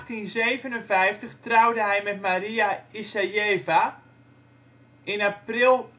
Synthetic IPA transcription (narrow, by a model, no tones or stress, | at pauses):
xtinzeːvənənvɛjftəχtrawdəɦɛjmɛtmaɾiaisajeːva | ɪnaprilˠ